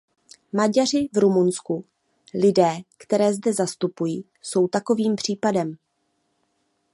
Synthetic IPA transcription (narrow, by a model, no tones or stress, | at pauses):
maɟar̝ɪvɾumunsku | lɪdɛːkt̪ɛɾɛːzdɛzast̪upujiː | so̞wt̪ako̞viːmpr̝̥iːpadɛm